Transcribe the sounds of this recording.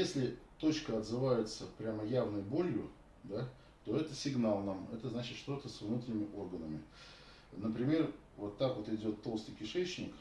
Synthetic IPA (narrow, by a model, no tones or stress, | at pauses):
jesʲlʲɪt̪o̞t͡ɕkəɐd̪zɨvajɪt̪səpɾʲaməjavnəjbo̞lʲjʊ | d̪a | t̪o̞ɛt̪əsʲɪɡnalˠnamɛt̪əznat͡ɕɪt̪ʂt̪o̞t̪əsʲvnut̪ɾʲɪnʲɪmʲɪʔo̞rɡənəmʲɪ | nəpɾʲɪmʲe̞r | vo̞t̪ːakvot̪ɪdʲo̞t̪ːo̞lˠst̪əjkʲɪʂɛt͡ɕnʲɪk